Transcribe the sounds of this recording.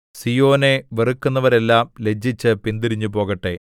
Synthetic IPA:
sijo̞ːne̞ʋerukːunːɐʋɐɾe̞lːaːmle̞d͡ʑʱːit͡ɕːɨpind̪iɾiɲːupo̞ːɣɐʈːe̞

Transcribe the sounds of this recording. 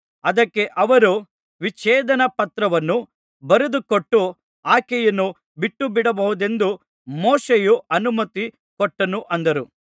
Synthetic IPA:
ɐd̪ɐkːe̞ʔɐʋɐɾu | ʋit͡ʃɛːd̪ɐnɐpɐt̪ɾɐʋɐnːu | bɐɾud̪ukoʈːu | aːkɛjɐnːu | biʈːubiɽɐbɐhud̪e̞nd̪u | mɔːʂejuʔɐnumɐt̪i | kɔʈːɐnuʔɐnd̪ɐɾu

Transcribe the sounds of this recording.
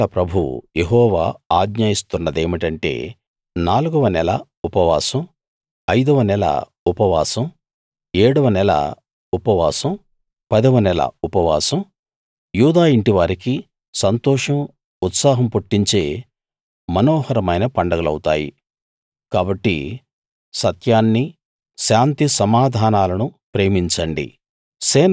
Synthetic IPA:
ɐpɾɐbʱṵjeɦɔːʋa̰ːaːɡɲaːjist̪unːɐd̪e̞ːmiʈɐɳʈe̞̰ː | naːluɡɐʋɐnɛlɐ̰ | upɐʋa̰ːsɐm | ɐjd̪ɐʋɐnɛlɐ̰ | upɐʋa̰ːsɐm | eːɽuʋɐnɛlɐ̰ | upɐʋaːsɐm | pɐd̪ɐʋɐnɛlɐ̰upɐʋa̰ːsɐm | juːd̪aːiɳʈiʋaːɾiki | sɐnt̪ɔːʂɐm | ut̪saːɦɐmpuʈːiɲt͡ʃe̞ː | mɐnɔːhɐɾɐmɐjnɐpɐɳɖɐɡɐlɐ̰wut̪a̰ːjḭ | kaːbɐʈːḭ | sɐt̪jaːnːi | ʃaːnt̪isɐmaːd̪ʱaːnaːlɐnupɾe̞ːmiɲt͡ʃɐɳɖḭ | sɛː

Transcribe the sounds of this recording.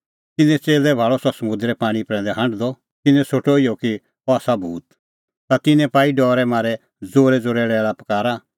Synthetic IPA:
t̪ɪnɛ̃t͡seːlɛbʱaːɭɔsɔsɐmʊ̃nd̪ɾɛpaːɽ̃ipɾɛ̃ːnd̪ɛɦɐ̃ɳɖd̪ɔ | t̪ɪnɛ̃soʈoijɔki | ɔaːsabʱuːt̪̚ | t̪at̪ɪnɛ̃paːiɖɔːɾɛmãːɾɛ | d͡zoːɾɛd͡zoːɾɛːɽɛlapɐ̥kaːɾa

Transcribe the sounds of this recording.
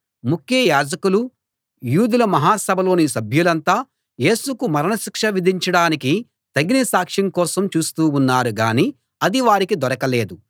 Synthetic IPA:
mukːjɐɐjaːd͡ʒɐkulu | juːd̪ulɐmɐɦaːsɐbʱɐlo̞ːniːsɐbʱjulɐnt̪aː | je̞ːsukumɐɾɐnɐʃikʂɐʋid̪ʱiɲt͡ʃɐɽaːniki | t̪ɐɡinisaːkʂiŋkɔːsɐmt͡ʃuːst̪uːunːaːɾuɡaːni | ɐd̪iʋaːɾikid̪ɔɾɐkɐle̞ːd̪u

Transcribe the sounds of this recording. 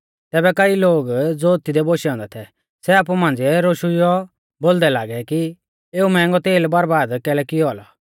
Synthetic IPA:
t̪ɛːbɛkɐiloːɡd͡zoːt̪ɪd̪ɛboʃiɔ̃ːnd̪ɛt̪ʰɛ | sɛaːp̬umãːnd͡ziɛɾoʃujɔ | bold̪ɛlaːɡɛki | eːumɛ̃ŋɡɔt̪eːlbɐɾbaːd̪kɛːlɛkɪjɔalɔ

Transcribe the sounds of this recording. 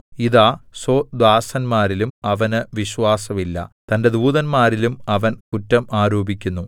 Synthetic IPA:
iðaːsod̪waːsɐnmaːɾilumɐʋɐnɨʋiɕʋaːsɐʋilːɐ̰t̪ɐnde̞d̪uːðɐnmaːɾilumɐʋɐnkutːɐmʔaːɾoːbikʲːunːu

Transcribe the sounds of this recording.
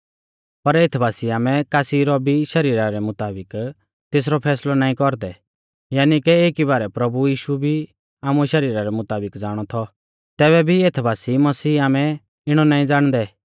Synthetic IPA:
pɐɾeːt̪ʰbʱaːsiaːmɛ̃kaːsiɾɔbʱiʃɐɾiːɾaɾɛmʊt̪aːbɪk | t̪eːs̬ɾɔpʰɛːslɔnaːĩkɔɾd̪ɛ | jaːnikɛeːkiβaːɾɛpɾɐbujiːʃubʱi | aːmũɛʃɐɾiːɾaɾɛmʊt̪aːbɪkd͡zaːɽ̃ɔt̪ʰɔ | t̪ɛːβɛbʱieːt̪ʰbʱaːsiːmɐsiːaːmɛ̃ | ɪɽ̃ɔnaːĩd͡zaːɽ̃d̪ɛ

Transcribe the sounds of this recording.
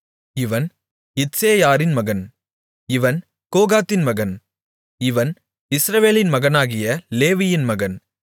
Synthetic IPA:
ɪʋɐn | ɪtseːjaːɾɪnmɐɣɐn | ɪʋɐn | koːɣaːt̪ːɪnmɐɣɐn | ɪʋɐn | ɪsɾɐʋeːlɪnmɐɣɐnaːɣɪjɐleːʋɪjɪnmɐɣɐn

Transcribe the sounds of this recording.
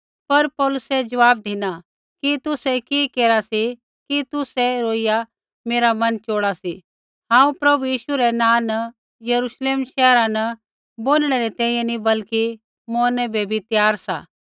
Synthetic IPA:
pɐɾpɔːlʊsɛd͡ʒɐʋaːb̚d̪ʱiːna | kit̪ʊsɛkikeːɾasi | kit̪ʊsɛɾoːɪja | meːɾamɐnt͡ʃoːɽasi | ɦãːũpɾɐbʱujiːʃuɾɛnãːnɐ | jɐɾuːʃleːmʃɛːɾãnɐ | boːnɽ̃ɛɾɛt̪ɛ̃ːĩjɛ̃nibɐlki | moːɾnɛbʱebʱit̪jaːɾsa̰ː

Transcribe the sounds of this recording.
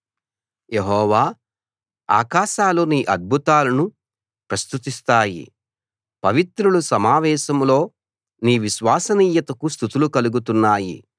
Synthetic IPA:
je̞ɦɔːʋaː | a̰ːkaːʃaːluniːʔɐd̪̚bʱut̪aːlɐnu | pɾɐst̪ut̪ist̪aːjḭ | pɐʋit̪ɾulusɐmaːʋɛːʃɐmlo̞ː | niːʋiʃʋaːsɐniːjɐt̪ɐkust̪ut̪ulukɐluɡut̪unːaːjḭ

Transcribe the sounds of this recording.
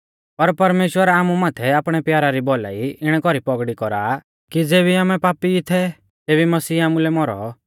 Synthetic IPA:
pɐɾpɐɾmeːʃwəɾaːmumaːt̪ʰɛaːpɽ̃ɛpjaːɾaɾibɔla̰iɪɽ̃ɛkɔɾipɔɡɽikɔɾaː | kid͡zeːbiaːmɛpaːpit̪ʰɛ | t̪eːβimɐsiːamulɛmɔɾɔ̰

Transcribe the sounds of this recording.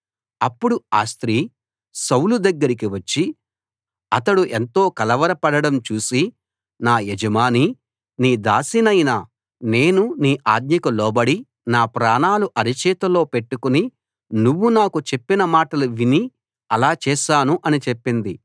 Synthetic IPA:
ɐpːuɽua̰ːst̪ɾiː | sɐwlud̪ɐɡːɐɾikiʋɐt͡ʃːi | ɐt̪ɐɽuʔent̪o̞ːkɐlɐʋɐɾɐpɐɽɐɽɐmt͡ʃuːsi | naːjed͡ʒɐmaːni | niːd̪aːsinɐjnɐ | ne̞ːnuniːʔa̰ːd̪ɲɐkɐlɔːbɐɽi | naːpɾaːnaːluʔɐɾit͡ʃɛːt̪ɐlo̞ːpe̞ʈːukuni | nuʋːunaːkut͡ʃe̞pːinɐmaːʈɐluʋini | ɐlaːt͡ʃɛːʃaːnuʔɐnit͡ʃepːind̪i

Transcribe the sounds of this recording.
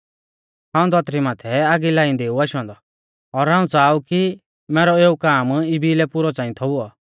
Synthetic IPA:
ɦãːũd̪ʱɔt̪ɾimaːt̪ʰɛaːɡilaːĩd̪eːuaʃɔ̃ːnd̪ɔ | ɔɾɦãːũt͡saːuki | mɛːɾɔeːukaːmɪbʱilɛpʊɾɔt͡sãːĩt̪ʰɔʊɔ

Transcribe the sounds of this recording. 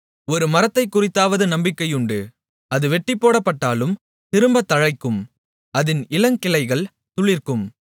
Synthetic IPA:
ɔɾɯmɐɾɐt̪ːɐɪkːʊrɪt̪ːaːʋɐðɯnɐmbɪkːɐjʊɳɖɯ | ɐðɯʋɛʈːɪpːoːɽɐpːɐʈːaːlɯm | t̪ɪɾɯmbɐt̪ːɐɻɐɪkːɯm | ɐðɪnɪlɐŋkɪlɐɪɣɐɭ | t̪ʊɭɪrkɯm

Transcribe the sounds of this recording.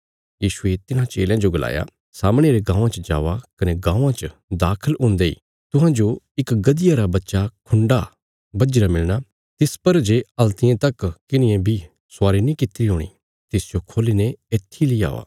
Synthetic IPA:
jiːʃuet̪ɪnãt͡ʃḛːljãd͡ʒoɡɐla̰ːja̰ | saːmɽ̃eɾeɡãːãt͡ʃəd͡ʒa̰ːʋakɐneɡãːãt͡ʃəd̪aːkʰəlʊ̃ːnd̪eḭː | t̪ʊɦãd͡ʒo | ɪkɡɐd̪ɪjaɾabɐtːʃakʰʊɳɖa | bɐd͡ʒɾamɪlña | t̪ɪspɐɾd͡ʒeɐlt̪ɪjẽt̪ɐkkɪnɪjẽbʱi | sʊaːɾinĩkɪt̪ːɪɾiɦõːɽ̃ḭ | t̪ɪsd͡ʒokʰoːlineeːt̪ʰːilia̰ːʋa̰ː

